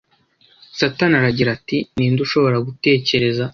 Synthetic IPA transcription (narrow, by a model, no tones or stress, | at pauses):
satanaɾaɟiɾatiniːnduʃo̞βo̞ɾaɡute̞ːce̞ɾe̞za